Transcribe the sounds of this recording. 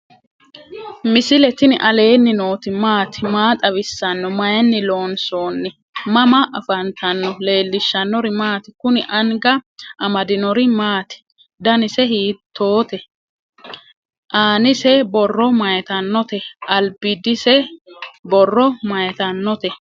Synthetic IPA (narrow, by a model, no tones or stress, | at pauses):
mɪsɪlɛt̪ɪnɪʔɐle̞ːnːɪno̞ːt̪ɪmaːt̪ɪmaːt̪ʼɐβɪsːɐnːɔmɐjɛnːɪlo̞ːnsoːnːɛ | mɐmɐʔɐfɐnt̪ʰɐnːɔle̞ːlːɪʃːɐnːɔɾɪmaːt̪ɪ̥kʊnɪʔɐŋɡɐʔɐmɐd̪ɪnɔɾɪmaːt̪ɪ̥ | d̪ɐnɪsɛɦiːt̪ʰːo̞ːt̪ɛ | ʔaːnɪsɛbɔrːɔmɐjɛt̪ɐnːɔt̪ɛʔɐlbɪd̪ɪsɛ | bɔrːɔmɐjɛt̪ɐnːɔt̪ɛ